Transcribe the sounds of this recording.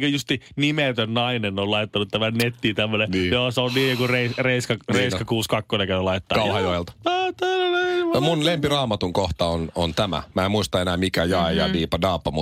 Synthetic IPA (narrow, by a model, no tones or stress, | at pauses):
køjust̪inimet̪ønnɑinenːollɑit̪ːɑnut̪t̪æmænnet̪ːiːt̪æmːønenːjoːseonniːjjokureisreiskɑreiskɑkuːskɑkːonekæylɑit̪ːɑːkɑhɑjoelt̪ɑ̥oːt̪ænenemunlempirɑːmɑt̪uŋkoht̪ɑonont̪æmæ̰mæːemuist̪ɑenæːmikæjɑejɑʋiːpɑdɑːpːɑmu